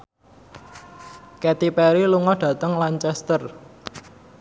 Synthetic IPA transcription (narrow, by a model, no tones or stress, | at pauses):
kɛt̪ipɛɾiluŋɔɖ̥ä̤t̪əŋlaɲt͡ʃɛst̪ər